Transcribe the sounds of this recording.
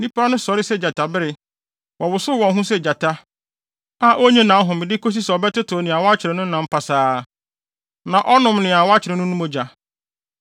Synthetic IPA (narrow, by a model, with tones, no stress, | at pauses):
nĩ˦pʰa˦nʊ̃˦sɔ˨ɾɪ˦sɛ˦d͡ʑa˨tʰa˨bɪ˦ɾɪ˨ | wʔɔ˨wʊ˨sʊ˦wɔ̃˨n˦ɦũ˦sɛ˦˨d͡ʑa˨tʰa˦ | a˦˨ʔo˦ɲĩ˦nã˨˦ɦʊ̃˨mɪ̃˨dɪ˦kʰo˦s̬i˦sɛ˨ɔ˨bɛ˦tɪ˦tʰʊ˨nɪ̃˨a˨wɔ˦a˦t͡ɕʰɪ˨ɾɛ̃˨nʊ̃˦nã˨˦m̩˦pʰa˨saː˦ | nã˨ʔɔ˦nʊ̃˨mnɪ̃˨a˨wɔ˦a˦t͡ɕʰɪ˨ɾɪ̃˨˦nʊ̃˦nʊ̃˦mõ˦d͡ʑa˨